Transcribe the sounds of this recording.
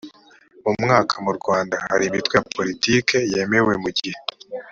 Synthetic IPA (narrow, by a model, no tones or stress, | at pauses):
mumŋaːkʰamuɾɡwaːndahaɾimitweapʰo̞ɾitiːke̞je̞me̞we̞muɟihe